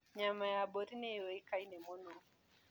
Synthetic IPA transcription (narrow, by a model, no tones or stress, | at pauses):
ɲamajaboɾinɛwoikainɛmɔno